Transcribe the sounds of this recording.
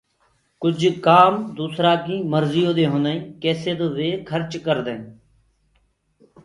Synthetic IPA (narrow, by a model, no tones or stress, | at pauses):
kʊd͡ʒʱkaːmd̪uːsɾaːkĩːməɾzijõːd̪eːɦonəĩːkeːseːd̪oʋeːkʰəɾt͡ʃkəɾd̪ẽː